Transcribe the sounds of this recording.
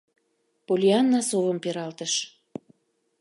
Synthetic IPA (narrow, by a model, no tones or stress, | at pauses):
polʲiɑnːɑsovə̆mpeɾɑlt̪əʃ